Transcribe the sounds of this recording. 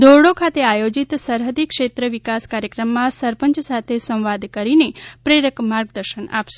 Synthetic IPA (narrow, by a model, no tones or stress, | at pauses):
d̪ʱoɽokʰat̪eajod͡ʒit̪səɾɦəd̪ikʃet̪ɾəʋikaskaɾjəkɾəmːãsəɾpəɲt͡ʃsat̪ʰesə̃w̃ʋad̪kəɾinepɾeɾəkmaɾɡd̪əɾʃəna̰pʃe